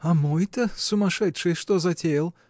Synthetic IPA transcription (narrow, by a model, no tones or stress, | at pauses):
ɐmojt̪ɐsʊmɐʂɛt̪ʂɨjʂt̪ozɐtʲejlˠ